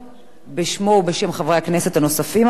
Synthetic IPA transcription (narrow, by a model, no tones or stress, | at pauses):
beʃmo̞wbeʃe̞mχavʁeakne̞se̞t̪ano̞safim